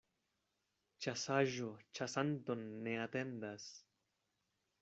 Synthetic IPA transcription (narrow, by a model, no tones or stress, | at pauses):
t͡ʃasaʒot͡ʃasantonːe̞ate̞ndas